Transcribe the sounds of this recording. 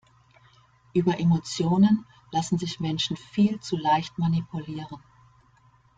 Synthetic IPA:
ʔyːbɐʔemot͡sjoːnən | lasn̩zɪçmɛnʃn̩fiːlt͡sulaɪçtmanipʰuliːʁən

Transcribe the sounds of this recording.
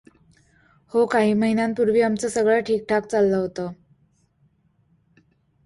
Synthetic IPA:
hokaɦiːməɦinãnpuɾʋiːamt͡səsəɡɭaʈʰiːk̚ʈʰak̚t͡salːəɦot̪ə

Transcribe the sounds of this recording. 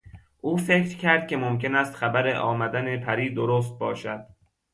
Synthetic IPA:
ʔuːfe̞kʰɾcʲʰæɾd̪̥̚kʲʰe̞momkʲe̞næst̪xæbæɾeʔɒ̰ːmæd̪ænepʰæɾiːd̪oɾoːs̬t̪̚bɒ̰ːʃæd̪̥̚

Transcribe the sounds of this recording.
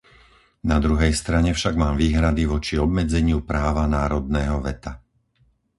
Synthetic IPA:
nad̪ɾuɦɛjst̪ɾaɲɛfʃaɡmaːmʋiːɦɾad̪iʋɔt͡ʃiɔbmɛd͡zɛɲɪupɾaːʋanaːɾɔd̪nɛːɦɔʋɛt̪a

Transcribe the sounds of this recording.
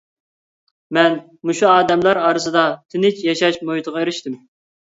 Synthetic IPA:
mɛn | muʃuɑːd̪ɛmlˠɑɾɑːɾɨsɨd̪ɑt̪ʰɪnɪt͡ʃjɑʃɑʃmohit̪ʰəʁɑeɾɪʃt̪ɪm

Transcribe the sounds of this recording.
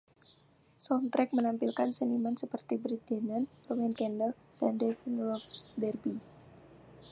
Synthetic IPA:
sɔnt̪ɾɛk̚mənampilkansənimansəpərt̪ibɾit̪̚denanpəwɛnkɛndəl | d̥andefinlɔfdɛrbi

